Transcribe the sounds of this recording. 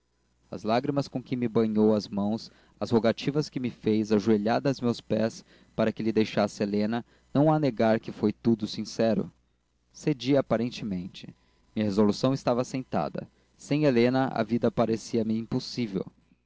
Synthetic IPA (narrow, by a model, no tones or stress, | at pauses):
ɐ̰zlaɡɾimɐskõkɪ̃mɪbɐ̃ɲowɐzmɐ̃w̃s | ɐzhoɡat͡ʃivɐskɪmɪfejzaʒueʎaɾd̪ɐzmewspɛs | paɾɐkɪlɪd̪ejʃasɪelẽnɐ | nɐ̃w̃aneɡaɾkɪfojt̪ud̪ʊsĩsɛɾʊ̰ | sed͡ʒiapaɾẽnt͡ʃɪmẽnt͡ʃɪ̥ | mĩɲɐɦezolusɐ̃w̃ɪst̪avɐsẽnt̪a̰d̪ɐ̰ | sẽj̃elẽnɐʔɐ̰vid̪ɐpaɾesiɐmɪĩmposivḛw